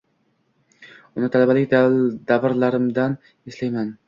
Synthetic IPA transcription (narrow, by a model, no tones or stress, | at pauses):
ʊnɪt̪ʰalabalɪkʲd̪d̪̥avɾlaɾɪmd̪an | eslajman